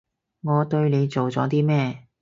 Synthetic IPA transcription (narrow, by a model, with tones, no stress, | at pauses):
ŋɔː˨˧t̪ɵ˧ɥne˨˧jt͡so˨wt͡sɔː˨˥t̪iː˥mɛː˥˧